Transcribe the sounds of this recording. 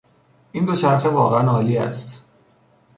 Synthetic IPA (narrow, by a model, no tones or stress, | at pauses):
ʔind̪ot͡ʃʰæɾxʰevɒːɣeænɒːliːæ̰st̪